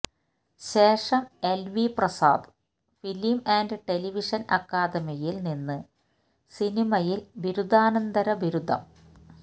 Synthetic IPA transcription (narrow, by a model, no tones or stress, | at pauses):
ɕe̞ːʂɐmelʋiprɐsa̰ːd̪ | filimaːnɖɨʈe̞liʋiʂɐnɐ̰kːaːd̪ɐmijilninːɨ | sinimɐjilʋiɾud̪ʱaːnɐnd̪ɐɾɐbiɾud̪ʱːɐ̰m